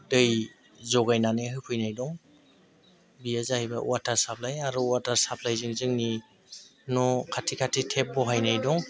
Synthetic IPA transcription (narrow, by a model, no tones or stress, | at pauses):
dɯj | zɔɡajnanɯɦɯpʰɯjnajdɔŋ | bijazahijba̰wataɾsap̚lajaɾuwataɾsap̚ʰlajzɯŋzɯŋni | nɔkʰatʰikʰatʰitʰep̚bɔɦajnajdɔŋ